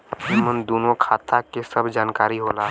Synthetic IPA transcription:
ɪmənd̪oːnokʰaːt̪ʰakesəbd͡ʒaːnkaːɾiɦolaː

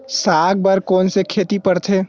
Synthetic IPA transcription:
saːɡ̚bəɾkoːnsekʰet̪ipəɾt̪ʰe

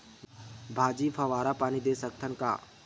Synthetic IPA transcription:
bʱaːd͡ʒiːpʰəʋaːɾapaːnid̪eːsək̚t̪ʰənka̰ː

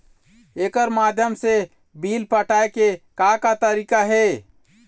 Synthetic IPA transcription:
eːkəɾmaːd̪ʱjəmse | biːlpəʈʰaːekekakat̪əɾiːkaɦe

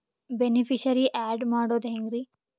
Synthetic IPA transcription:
benipʰiʃɐɾiʔaːɖmaːɽoːd̪ɦeŋɡɾi

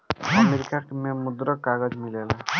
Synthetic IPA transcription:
əmeɾikakememud̪ɾɔkːaɡəd͡ʒmilela

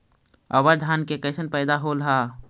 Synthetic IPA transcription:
ɐbəɾd̪ʱaːnkekɐsənpɛːd̪aɦolɦaː

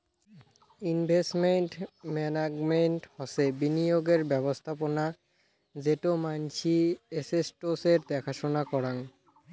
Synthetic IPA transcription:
inbʱesʈmeɳʈmɛnaɡmenʈhɔsebinijoɡeɾbɛβost̪ʰapona | d͡ʑeʈomant͡ɕʰiesesʈoseɾd̪ɛkʰaʃonakɔɾaŋ

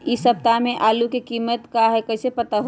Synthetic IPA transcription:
isəb̚t̪amẽʔaːlukekimət̪kaɦɛkəɪsepət̪aɦo

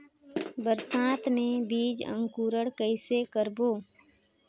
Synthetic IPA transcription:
bəɾsaːt̪ʰmẽbiːd͡ʒə̰̃ŋkuːɾəɽkəɪsekəɾboː

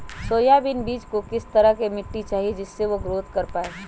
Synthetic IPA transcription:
soːjabɪnbiːt͡ʃkokɪst̪əɾəɦkemɪʈːit͡ʃaːɦied͡ʒɪsːeʋoɡɾoːt̪kəɾpaːe

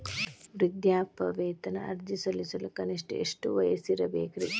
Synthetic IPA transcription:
ʋɾid̪jaːpɐʋeːt̪ɐnɐʔɐɾd͡ʒisɐlisɐlukɐniʂʈɐḛʂʈuʋɐjɐsiɾɐbeːkɾḭ

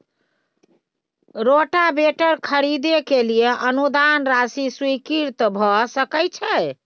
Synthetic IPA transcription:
ɾoʈabeʈəɾkʰəɾid̪ekelijeʔənud̪anɾasiswikiɾt̪bʱɔsəkɛjt͡ʃʰɛ

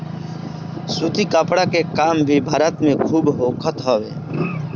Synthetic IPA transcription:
suːt̪ikəpɽakekaːmbʱibʱaːɾət̪mẽkʰuːbɦoːkʰət̪ɦoːʋḛː

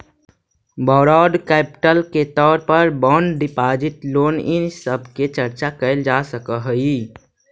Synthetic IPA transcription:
bɔːɾɔːɖkɛːpʈəlket̪ɔːɾpəɾbɔːɳɖɪpaːd͡ʒɪʈloːnɪnsəbʱket͡ʃəɾt͡ʃakəɪld͡ʒasəkəɦəi

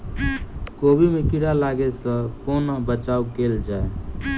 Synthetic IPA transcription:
kobimekiɽalaɡesə̃konabət͡ʃaukeld͡ʒae

